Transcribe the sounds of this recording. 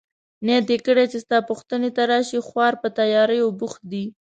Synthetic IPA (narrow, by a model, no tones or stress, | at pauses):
njt̪ekəɽet͡ʃest̪ɑpuxt̪ənet̪aɾɑʃixwɑɾpət̪ajɑɾəjobʊxt̪̚d̪i